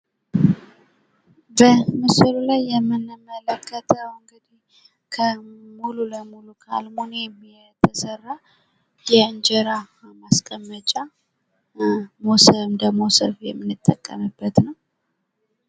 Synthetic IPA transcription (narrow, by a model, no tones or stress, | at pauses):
bəmɨsɨlulajːɛmːɨnːɨmːələkʰːət̪ʰəwɨŋɡɨd̪ih | kʰəmululəmulukʰa̰lmoneɛmːi | t̪ʰəsərːa | jɛɨnd͡ʒəɾa | maskʼəmːət͡ʃʼa | mosəmd̪əɡmosəfjɛmːɨnːɨt̪ʼːəkʼːəmɨbːət̪nəw